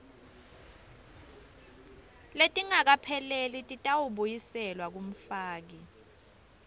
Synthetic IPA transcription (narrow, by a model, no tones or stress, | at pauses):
letʼiŋak̬apʰɛlelitʼitʼawuɓujisɛlwak̬um̩faːk̬i